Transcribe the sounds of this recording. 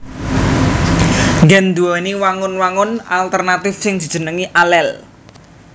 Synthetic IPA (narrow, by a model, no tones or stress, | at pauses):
ŋɡɛnd̪uɔniwaŋʊnwaŋʊnalt̪ərnat̪ɪfsɪŋd̪̥i̤̥d͡ʒ̥ə̤nəŋiʔalɛl